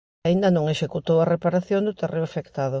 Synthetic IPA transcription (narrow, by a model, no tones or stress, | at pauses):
aind̪ɐnõŋeʃekut̪owɐrepaɾaθjond̪ʊt̪erʔewafekt̪aðʊ